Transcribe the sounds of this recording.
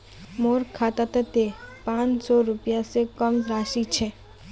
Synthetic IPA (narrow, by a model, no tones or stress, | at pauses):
moɾkʰat̪at̪ət̪epãt͡ʃsɔɾʊpjasekəmɾaʃit͡ʃʰe